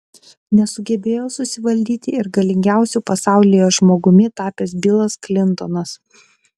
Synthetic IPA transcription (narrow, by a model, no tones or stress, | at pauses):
nʲɛsʊɡʲɛbʲeːjoːsʊsʲɪʋɐlʲd̪ʲiːt̪ʲɪɪɾɡɐlʲɪŋʲɡʲæˑʊsʲuːˑpɐsɑˑʊlʲɪjoːʒmoːɡʊmʲɪt̪ɑːpʲeːsbʲɪlˠɐsklʲɪnˑt̪ɔnɐs